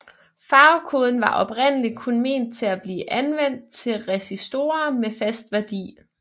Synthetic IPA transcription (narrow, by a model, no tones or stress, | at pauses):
fɑ̈ʊkʰo̝ːð̞ˠn̩ʋɑ̈ʔɒ̽b̥ʁen̰əlikʰonme̝̰n̰d̥̚t͡sʰe̝læb̥liːʔænʋen̰d̥̚t͡sʰe̝lʁɛsisd̥o̝̰ːɐmefæsd̥ʋæɐd̥ḭː